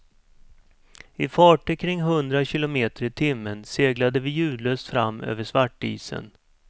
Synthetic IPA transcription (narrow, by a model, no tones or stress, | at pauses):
ɪfɑːʈəkʰɾɪŋːɦɵnd̪ɾaɕɪlʊmeːt̪əɾɪt̪ʰɪmːənseːɡlad̪əvɪjʉ̟ːd̪løːst̪fɾamːø̰ːvəʂvaʈːḭːsə̰n